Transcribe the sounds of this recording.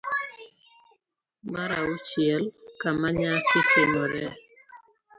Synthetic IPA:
maɾaʊt͡ʃjɛlkamaɲasɪtemoɾɛ

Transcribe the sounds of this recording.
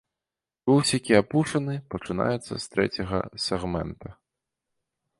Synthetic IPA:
bɨwsʲakʲiapuʂɐnɨpɐt͡ʂɨna̰jɛt̪sːɐ̰st̪ɾɛt͡sʲɐɣɐ̰sʲɛɣmɛ̰nt̪ɐ

